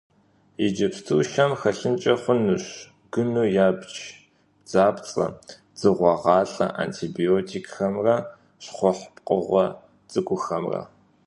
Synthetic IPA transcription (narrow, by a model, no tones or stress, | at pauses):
id͡ʒɐpstʰuːʃɐmxɐɬɨnt͡ʃʼɐχʷʊnɨɕ | ɡ̥ɨnuːjaːbt͡ʃ | d͡zaːpt͡sʼɐ̰ | d͡z̥ɨʁʷɑʁɑːɬʼɐ̰ʔa̰ntʰiːbioːtʰiːkxɐmrɐ | ɕχʷɔħpʼqʼəʁʷɔ | t͡sʼɨkʷʼʊxɐmrɐ̰